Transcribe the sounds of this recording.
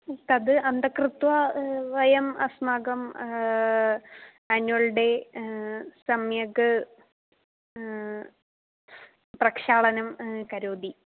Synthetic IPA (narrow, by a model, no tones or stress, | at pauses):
t̪ɐðɨɐnd̪ɐkrɨt̪wɐʋɐjɐmɐ̰smaːɡɐm | aːnuɐlɖe̞ | sɐmjɐɡɨ | prɐkʂaːɭɐnɐmkɐɾoːd̪i